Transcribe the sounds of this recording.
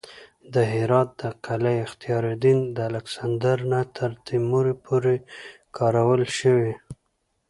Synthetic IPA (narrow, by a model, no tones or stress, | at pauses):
d̪əɦɪɾɑt̪̚d̪̥əqalajɪxt̪ijɑɾed̪ind̪əalaksand̪aɾnat̪ʰəɾt̪imuɾepʰoɾekʰɑɾawəlʃəwi